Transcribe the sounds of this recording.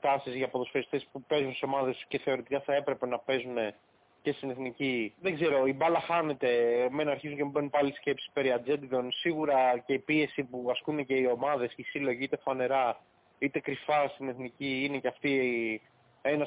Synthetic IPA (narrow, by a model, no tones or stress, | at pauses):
t̪ɐsizʝɐpoðosfeɾist̪e̞spupe̞zunsseo̞mɐðe̞st̪u̥ce̞θe̞o̞ɾet̪ikɐθɐe̞pɾe̞pe̞nɐpe̞zune̞ | ce̞st̪ineθniciðeɡze̞ɾo̞ibɐlɐxɐne̞t̪e̞menɐɾçizuɲcemubenupɐlisce̞psi̥peɾiɐd͡ze̞t̪iðo̞nsiɣuɾɐce̞ipie̞sipuɐskune̞ce̞io̞mɐðe̞sisilo̞ʝiit̪e̞fɐne̞ɾɐ | it̪e̞kɾifɐst̪ine̞θniciineceɐft̪i | enɐ